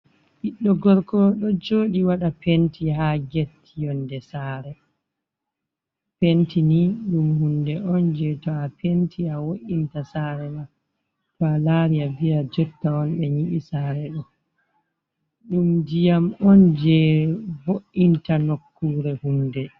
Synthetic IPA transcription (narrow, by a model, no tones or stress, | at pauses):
ʔiɗːɔɡɔɾkɔɗɔd͡ʒoːɗiwaɗapentiɦaɡetʰːijɔndɛsaːɾɛ | pentiniɗumhundɛɔnd͡ʒɛtɔapentʰiawoʔintasaːɾɛma | tɔalaːɾiabiɾad͡ʒɔtːaɔnɓɛɲiʔisaːɾɛɗɔ | ɗumd͡ʒijamɔnd͡ʒɛboʔːintanokːuːɾɛhundɛ